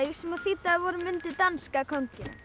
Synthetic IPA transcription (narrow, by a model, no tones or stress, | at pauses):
jsɛmaðθiːt̪aðvɔɾʏmʏnt̪ɪt̪anskakʰɔɲcɪn